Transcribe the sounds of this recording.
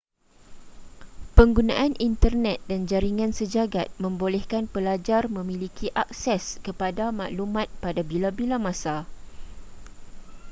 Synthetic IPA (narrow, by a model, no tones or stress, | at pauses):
pəŋɡunã̰ʔanʔint̪ərnɛt̪̚dand͡ʒaɾiŋãnsəd͡ʒaɡat̪̚mə̃mbolɛhkanpəlad͡ʒarmə̃mĩlikʰiʔak̚sɛskəpadama̰ʔlumãt̪̚padabilabilamãsa